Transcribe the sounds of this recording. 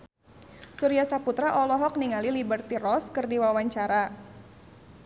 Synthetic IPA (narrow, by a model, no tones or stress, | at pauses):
suɾiasaput̪ɾaʔɔlɔɦɔk̚niŋalilibərt̪irɔskɨrdiwawaɲt͡ʃaɾa